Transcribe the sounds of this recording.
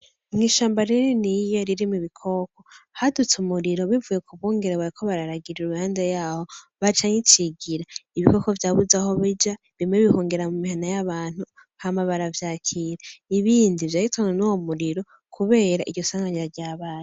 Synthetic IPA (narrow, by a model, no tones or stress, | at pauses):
mŋiʃaːmbaɾiɾinijo̞ɾiɾimuβikʰo̞ko̞hadut͡sumuɾiɾo̞βivuje̞kʰuβuːŋɡe̞ɾeβaɾikʰo̞βaɾaɾaɡiɾiɾuuhaːnzajaːho̞ | βat͡ʃaːŋit͡ʃiɡiɾaiβiko̞ko̞vjaβuzaho̞βid͡ʒa | βiimŋeβihoːŋɡe̞ɾamumihanajaβaːn̥hu | hamaβaɾavjaːcʰiɾaiβiːndivjaːitaŋenowomuɾiɾo̞ | kʰuβe̞ːɾaʔḭɟɟosaːŋɡaɲaɾɟaːβaːje